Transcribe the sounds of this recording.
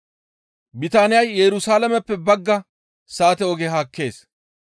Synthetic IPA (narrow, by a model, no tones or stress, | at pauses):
bɪt̪aːnɪjɐjːɛɾʊsaːlɐmɛpːɛbɐɡːɐ | saːt̪ɛɔɡeɦaːkːe̞ːs